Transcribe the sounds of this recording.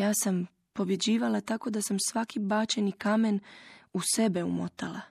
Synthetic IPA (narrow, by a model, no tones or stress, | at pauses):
jaːsam | po̞bje̞d͡ʑiːʋalˠat̪ako̞d̪asamsʋakibaːt͡ɕenikame̞nuse̞be̞ṵmo̰t̪a̰lˠa